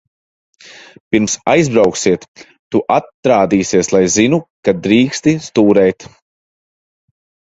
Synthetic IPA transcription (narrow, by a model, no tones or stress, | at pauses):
piɾmsajzbɾawksiɛt̪ː | uʔat̪ːɾaːd̪iːsiɛslˠajzinukad̪ɾiːkst̪ist̪uːɾɛjt̪